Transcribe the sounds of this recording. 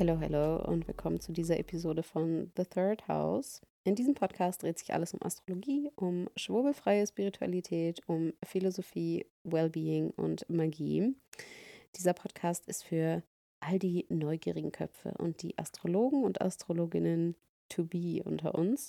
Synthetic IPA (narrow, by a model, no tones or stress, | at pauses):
hɛloːɦɛ̰lo̰ːʊ̰ntvɪ̰lkʰɔmənt͡sudiːzɐʔepʰizoːdəfɔnðəθɜɐtha̰ʊsʔɪndiːzəmpʰɔtkʰaːst̚d̥ʁeːtz̥ɪçʔa̰ləsʊmʔa̰stʁ̥oloɡiːʔʊmʃv̥ʊɐbl̩fʁ̥aɪəʃpiʁitʰua̰litʰɛːtʊmfilozofiː | wɛlbiːɪŋʊ̰ntmaɡḭː | d̥iːzɐpʰɔtkʰaːstɪstfyːɐ | ʔaldiːnɔʏɡiːʁɪɡŋ̩kʰœ̰pp͡fə̰ʔʊ̰nt̚d̥ḭːʔa̰stʁ̥oloːɡŋ̩ʊntʔa̰stʁ̥oloːɡɪnən | tʰubiːʔʊ̰ntʰɐ̰ʔʊns